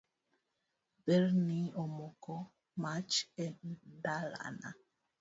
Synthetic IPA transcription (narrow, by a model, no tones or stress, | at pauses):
bɛɾniɔmɔkɔ | mat͡ʃɛndala̰na̰